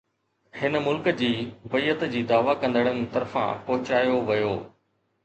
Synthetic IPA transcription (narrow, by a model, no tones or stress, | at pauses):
hɪnəmʊlkəd͡ʑiːʊbəiːət̪d͡ʑiːd̪aːʋakɐ̃nd̪əɽ̃ənɪt̪ɐɾfã̰pɐɦʊt͡ɕaːjoʋɐjoː